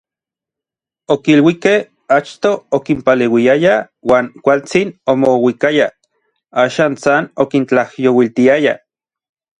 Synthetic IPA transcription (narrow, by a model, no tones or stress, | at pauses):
okilwikeh | at͡ʃt̪oːkimpalewiaja | waːŋkʷalt͡sinomowikaja | aːʃaːnsanokint͡ɬahjowilt̪iaja̰